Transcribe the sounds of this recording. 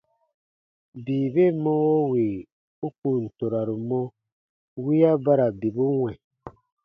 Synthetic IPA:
biː˨be˦˨mɔ̃˦wo˦we˨ | u˦ku˨n̩˨to˨ɾa˨ɾu˨mɔ̃˦ | wi˦a˦ba˦ɾa˨bi˨bu˦wʷɛ̃˨

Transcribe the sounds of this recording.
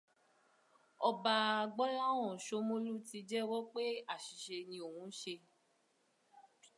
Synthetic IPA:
ɔ˧ba˧˨ɡ͡bɔ˦la˦wɔ̃˦˨ʃo˧mõ˦lu˦ti˧d͡ʒɛ˦wɔ˦k͡pe˦a˦˨ʃi˨ʃe˧nĩ˧o˨hũ˨˧˦n̩˦ʃe˧

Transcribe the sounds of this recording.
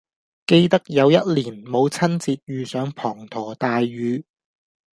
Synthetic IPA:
ke˧jt̪ɐ˥k̚jɐ˨˧wjɐ˥t̚liː˨˩nmo˨˧wt͡sʰɐ˥nt͡siː˧t̚jyː˨˧sœː˨˥ŋpʰɔː˨˩ŋt̪ʰɔː˨˩t̪aː˧jɥyː˨˧

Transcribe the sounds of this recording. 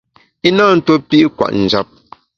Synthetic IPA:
i˦naː˦˨n̩˦to˦pi˦ʔkwa̰˨ʔn̩˨d͡ʒa˦˨p̚

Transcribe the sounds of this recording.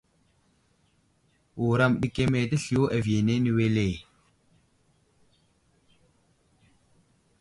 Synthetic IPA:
u˨ɾa˦˨mɗi˨ke˦me˨tə˦ɬi˨jo˦ʔa˨vi˨e˨ne˦ni˨we˦le˨

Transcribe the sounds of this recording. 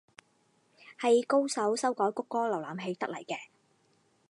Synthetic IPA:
hɐ˨jko˥wsɐ˨˥wsɐ˥wkɔː˨˥jkʊ˥kːɔː˥lɐ˨˩wlaː˨˩mɦe˨˧jt̪ɐ˥lɐ˨˩jkɛː˧

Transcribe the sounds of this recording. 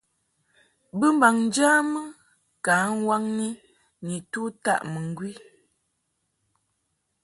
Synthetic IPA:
bə˦m˦ba˨ŋn˦d͡ʒaː˦mə˦ | ka˨˦n˦wa˦ŋni˦ | ni˨tu˦ta̰˦˨ʔmə˨ŋ˨ɡwi˦

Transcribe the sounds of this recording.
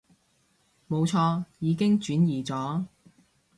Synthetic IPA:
mo˨˧wt͡sʰɔː˧jiː˨˧kɪ˥ŋt͡ʃyː˨˥njiː˨t͡sɔː˨˥

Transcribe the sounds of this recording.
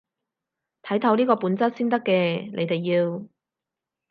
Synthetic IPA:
t̪ʰɐ˨˥jt̪ʰɐ˨˥wniː˥kɔː˧puː˨˥nt͡sɐ˥t̚siː˥nt̪ɐ˥kːɛː˧ne˨˧jt̪e˨˩jːiː˧w

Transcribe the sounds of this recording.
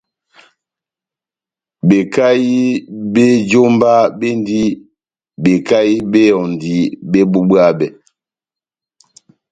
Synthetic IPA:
be˨ka˦ji˦be˦d͡ʒo˦mba˦be˦n˦di˦ | be˨ka˦ji˦be˦jɔ˨n˨di˦be˦bu˦ɓwa˦bɛ˨

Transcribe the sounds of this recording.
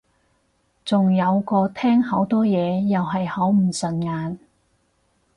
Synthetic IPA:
t͡sʊ˨ŋjɐ˨˧wkɔː˧t̪ʰɛː˥ŋhɐ˨˧˥wt̪ɔː˥jɛː˨˧jɐ˨wɦɐ˨jhɐ˨˥wm̩˨˩sɐ˨˩nŋaː˨˧n

